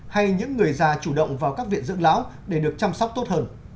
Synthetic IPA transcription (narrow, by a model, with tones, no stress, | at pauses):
ha˧jɲɨ̰˧˥ŋːɨ˨˩əjzaː˧˩t͡ɕu˧˩ɗə̰˧˨wŋ͡mvaː˨˩wkaː˦˥k̚vḭ˧˨ənzɨ̰˧˥ŋla̰ː˧˦˥wɗe˧˩ɗɨ˨˩ək̚t͡ɕa˧mswk͡p̚t̪o˦˥t̚həː˧n